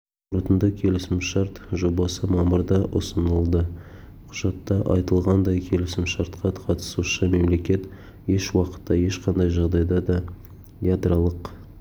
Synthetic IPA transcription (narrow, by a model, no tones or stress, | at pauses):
ʊɾət̪ənd̪ɑkʲʰe̞lɪsɪmʃɑɾt̪ʒo̞bɑsəmɑməɾd̪ɑʔʊ̰sənəlˠd̪ə | qʰʊ̥ʒ̥ɑt̪ːɑʔɑ̰jt̪əlˠʁɑnd̪ɑjkʲʰe̞lɪsɪmʃɑɾt̪qʰɑqʰɑt̪ə̥suʃəme̞mle̞kʲe̞t̪ | je̞ʃwɑqə̥t̪ːɑje̞ʃqɑnd̪ɑjʒɑʁd̪ɑjd̪ɑd̪ɑ | jad̪ɾalˠəq